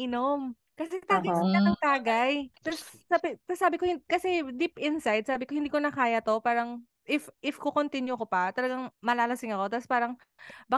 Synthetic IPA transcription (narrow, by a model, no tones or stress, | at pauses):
ʔɪnom | kɐsɛt̪aːɡɐɪnɐnɐŋt̪aːɡɐjpɛɾsabɪsaːbɪkohɪkɐsɛd̪ipɪnsajd̪̚saːbɪko̞hɪnd̪iːkonɐkaːjɐt̪o̞paːɾɐŋ | ʔɪfʔɪfkokont̪ɪnjʊkopɐt̪ɐlɐɡaŋmɐlaːlɐsɪŋɐko̞t̪ɐspaːɾɐŋ | bɐ